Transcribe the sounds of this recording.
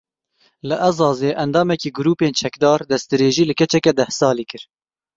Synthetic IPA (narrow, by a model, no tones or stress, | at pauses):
lɨʔɛzɑːzeːʔɛnd̪ɑːmɛkiːɡʊɾuːpeːnt͡ʃʰɛkd̪ɑːɾd̪ɛst̪ɨɾeːʒiːlɨkɛt͡ʃɛkɛd̪ɛhsɑːliːkɨɾ